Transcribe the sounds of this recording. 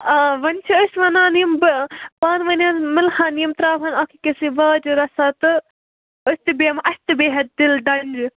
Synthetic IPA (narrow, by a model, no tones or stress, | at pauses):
aːʋɐnt͡ʃʰiəsʋɐnãːnimbpaːnʋɐnãmɪlhʰãːnimt̪ɾaːpɐnakʰikesiʋɐːd͡ʒɾɐsaːt̪ɨ | əsʲt̪ɨbeːmʔɐst̪ɨbeːɦɐt̪̚d̪ɪlɖɐnʲd͡ʒ